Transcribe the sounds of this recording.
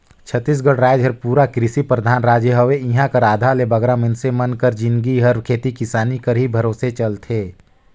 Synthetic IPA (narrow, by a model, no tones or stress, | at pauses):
t͡ʃʰət̪ːis̬ɡəɽɾaːjd͡ʒɦəɾpuːɾakɾɪsipɾəd̪ʱaːnɾaːd͡ʒəɦəʋeɪɦãkəɾaːd̪ʱalebɐɡɾamɪnsemɐnkəɾd͡ʒɪ̃nɡiɦɐɾkʰeːt̪ikɪsaːnikəɾɦibʱɐɾoːset͡ʃɐlt̪ʰeː